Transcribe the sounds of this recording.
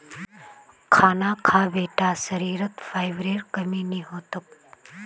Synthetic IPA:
kʰaːnaːkʰaːbeːʈaːsəɾiːɾət̪faːjʋɾeːɾkəmiːniɦoːt̪ək̚

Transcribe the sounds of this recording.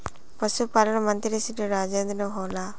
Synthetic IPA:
pɐsupalɐnɐmɐnt̪iɾisiʈuɾaːd͡ʒeːnd̪ɐnɐɦoːla

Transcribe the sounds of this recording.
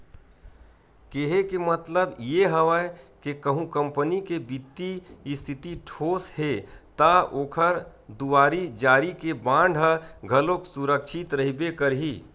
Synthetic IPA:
keɦekemət̪ləbjeɦəʋəkekəɦũkə̃mpənikebit̪ːiɪst̪ʰɪt̪iʈʰoːshet̪aoːkʰəɾd̪uwaːɾid͡ʒaːɾikebãːɳɖʱɦəɡʱəloksuɾəkʃʰɪt̪ɾəɦibekəɾɦiː

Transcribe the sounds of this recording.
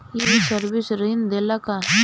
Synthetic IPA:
iisəɾbisɾəind̪elaka

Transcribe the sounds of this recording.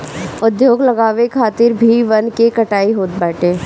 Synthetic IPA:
ʊd̪joːɡlɐɡaːʋekʰaːt̪ɪɾbʱiʋɐnkekɐʈaːiɦoːt̪̚bɛːʈeː

